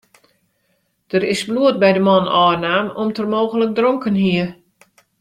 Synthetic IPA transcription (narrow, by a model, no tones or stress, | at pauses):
d̥ərɪsbluət̚bɛjdəmɔnɔːrnaːmɔmtərmoːɣələk̚droŋkənɦiə